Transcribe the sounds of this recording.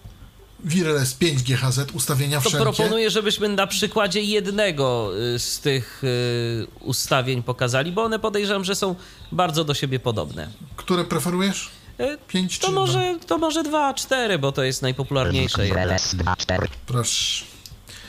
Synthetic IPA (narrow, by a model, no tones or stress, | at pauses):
vʲiɾɛlɛspʲjeɲd͡ʑɡʲjɛxazɛt̪ust̪avʲjeɲaft̪ɔʂɛpɾɔpɔnnujɛʐɛbɘɕmɘnapʂɘkwad͡ʑɛjɛd̪nɛɡɔst̪ɪx | ṵst̪avʲjeɲpɔkazalʲibɔɔnɛpɔd̪ɛjʐɛjɔ̃w̃ʐɛsɔ̃w̃ | baɾd̪zɔd̪ɔɕebʲjɛpɔd̪ɔ̰bnɛ̰kt̪uɾɛpɾɛfɛɾujɛʂ | pʲjeɲt͡ɕtɔmɔʐɛt̪ɔmɔʐɛd̪vat͡ʂt̪ɛɾɘbɔt̪ɔjɛst̪najpɔpulaɾɲejʂɛlɛ̰va̰t̪ɛpɾɔɕ